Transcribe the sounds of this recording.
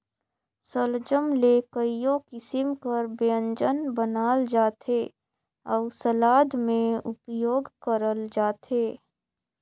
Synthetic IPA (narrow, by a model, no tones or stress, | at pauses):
səld͡ʒəmlekəijõkɪsɪmkəɾbeə̃ɲd͡ʒənbənaːld͡ʒaːt̪ʰe | ɔːʊsəlaːd̪mẽʊpjoːɡkəɾəld͡ʒaːt̪ʰeː